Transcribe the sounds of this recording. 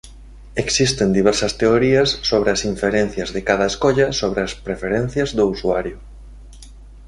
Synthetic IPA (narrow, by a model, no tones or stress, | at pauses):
eksist̪end̪iβ̞ɛɾsɐst̪eoɾiɐsːoβɾeɐsiɱfeɾen̟θjɐzðɪkaðɐeskoʎɐsoβɾeɐspɾefeɾen̟θjɐzðousuaɾjʊ